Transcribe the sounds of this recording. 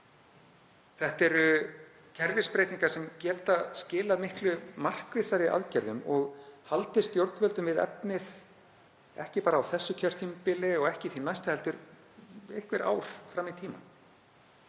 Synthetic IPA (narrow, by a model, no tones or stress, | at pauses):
θɛht̪ɛɾʏ | cʰɛɾvɪspɾejt̪niŋkaɾ̥sɛmcɛːt̪ascɪːlaðmɪhklʏmar̥kvɪsaɾɪʔa̰ðcɛɾðʏmɔɣhalt̪ɪ̥st̪jowɾt̪vœlt̪ʏmvɪðɛ̰pnɪð | ɛ̰hcɪpaːɾaːwθɛsːʏcʰœr̥t̪ʰimpɪlɪɔɣɛhcɪθinajst̪ahɛlt̪ʏɾ | ejhkvɪɾʔa̰ːwɾ̥fɾamiðt̪ʰiːma̰